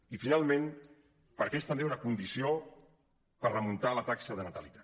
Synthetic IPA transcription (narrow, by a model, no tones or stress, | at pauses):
ifinalˠmẽn | pəɾkest̪əmbeunəkund̪isio | pərrəmunt̪alət̪aksəðənət̪əlit̪a